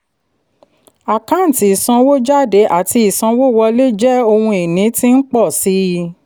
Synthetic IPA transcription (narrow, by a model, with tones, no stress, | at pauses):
a˨kã˨˦n̩˨ti˨˦i˨sã˧wo˦d͡ʒa˦˨de˨˦ʔa˦˨ti˧i˨sã˧wo˦˨wɔ˧le˦d͡ʒɛ˦o˧hũ˧e˨nĩ˨˦ti˦n̩˦k͡pɔ˦˨si˨˦